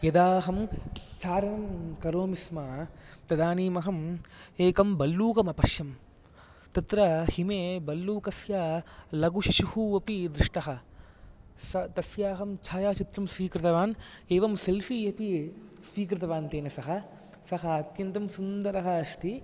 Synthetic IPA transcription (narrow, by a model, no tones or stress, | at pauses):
jɐd̪aːɦɐmt͡ʃaːɾɐnɐmkɐɾoːmismaːt̪ɐd̪aːniːmɐɦɐmeːkɐmbɐlːuːkɐmɐpɐʃjɐm | t̪ɐt̪ɾɐhimeːbɐlːuːkɐsjaːlɐɡuʃiʃuhuɐpid̪ɾɪʂʈɐɦɐ̆ | sɐt̪ɐsjaːɦɐmt͡ʃʰaːjaːt͡ʃit̪ɾɐmsʋiːkɾɪt̪ɐʋaːneːʋɐmselfiːɐpisʋiːkɾɪt̪ɐʋaːnt̪eːnɐsɐɦɐ | sɐɦɐːt̪jɐnt̪ɐmsund̪ɐɾɐɦɐɐst̪ʰi